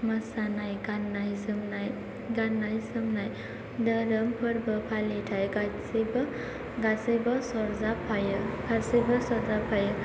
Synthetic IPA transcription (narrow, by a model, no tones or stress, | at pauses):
məsanajɡanajsɯmnaj | ɡanːajsɯmnaj | dəɾəmpʰəɾbʌpʰalitʰajɡasb | ɡasɯjbasɔɾzapʰajɯkʰaɾsɯjbasɔɾzapʰajɯ